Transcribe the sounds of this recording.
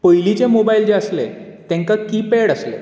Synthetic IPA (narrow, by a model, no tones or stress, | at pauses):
pəjlit͡ɕemobaild͡ʑẽəslet̪ẽŋkakipeɽəslḛ